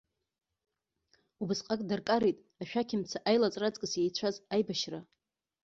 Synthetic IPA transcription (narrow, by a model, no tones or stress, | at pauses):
ubɨsqʼakʼdarkʼaɾejtʼ | aʃᶣakʲʰɪmt͡sʰaʔajlat͡sʼrat͡sʼkʼɨsjejt͡sʷʰazajbaʃra